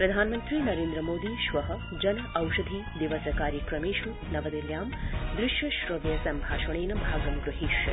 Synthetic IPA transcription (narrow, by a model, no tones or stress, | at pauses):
pɾɐd̪ʱaːnmɐnt̪ɾiːnɐɾeːnd̪ɾɐmoːd̪iːʃʋɐɦɐ | d͡ʒɐnɐʔɐwʃɐd̪ʱid̪iʋɐsɐkaːɾjikɾɐmeːʃu | nɐʋɐd̪iljaːmd̪ɾɪʃjɐʃɾɐʋjɐsɐmbʱaːʃɐɳ̃eːnɐbʱaːɡɐmɡɾuɦiʃ